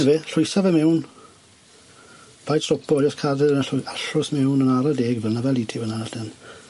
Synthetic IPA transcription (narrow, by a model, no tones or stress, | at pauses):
nɛvɛɬʊjsavɛmɛwn | b̥ajtɔpʰɔjaskʰarɪɾənəɬʊaɬʊsmɛwnənaɾadeːɡvlnavɛlˠiːtʰiwənanadɪn